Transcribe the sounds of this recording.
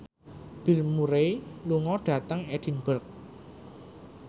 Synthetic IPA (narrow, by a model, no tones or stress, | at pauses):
b̥i̤lmuɾeluŋɔɖ̥ä̤t̪əŋed̥i̤nb̥ərk̚